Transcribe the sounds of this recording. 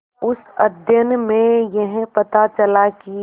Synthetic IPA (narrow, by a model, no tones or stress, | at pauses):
ʊsɐd̪ʱjənmẽjɐɦpɐt̪at͡ʃəlaki